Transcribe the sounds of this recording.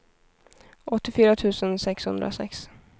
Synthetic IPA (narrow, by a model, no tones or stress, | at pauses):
ɔt̪ːɪfyːɾat̪ʰʉ̟ːsənsɛkshɵnd̪ɾa̰sɛ̰ks